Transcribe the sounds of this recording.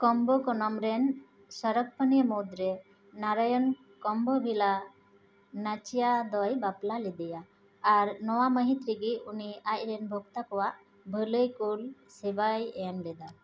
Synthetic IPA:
kɔmbɔkɔnɔmɾɛn | səɾək̚pənimɔd̪ɾɛ | naɾajɔn | kɔmbɔbʱila | nat͡ʃijad̪ɔjbaplalɛd̪əjaː | ɾnɔwaməɦit̪ɾiɡiuniac̚ɾɛnbʱɔɡt̪akɔwaʔ | bʱələjkulsɛbajɛmlɛd̪a

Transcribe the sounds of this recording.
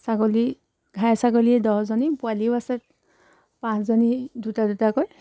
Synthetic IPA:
sakɔli | ɡʱajsakɔliɛdɔszɔnipʊalibasɛt̚ | pãszɔnidutadutakɔj

